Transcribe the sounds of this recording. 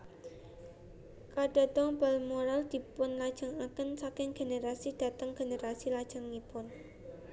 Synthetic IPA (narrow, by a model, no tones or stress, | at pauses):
kaɖ̥a̤t̪ɔŋbalmoɾald̪̥i̤pʊnlad̥ʒ̥aŋakənsakɪŋɡ̥e̤neɾasid̥a̤t̪əŋɡ̥e̤neɾasilad̥ʒ̥a̤ŋːipʊn